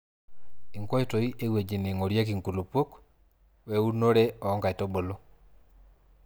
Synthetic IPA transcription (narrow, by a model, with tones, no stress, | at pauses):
i˨ŋkɔ˦e˦to˨i˦ʔe˦we˨d͡ʒi˨ne˨ŋo˨ɾja˦ki˨ŋku˨lu˨po˦k | wɛ˨u˦no˦ɾɛ˦ɔ˨ɔ˦ŋɡa˨i˨to˦bo˨lo˦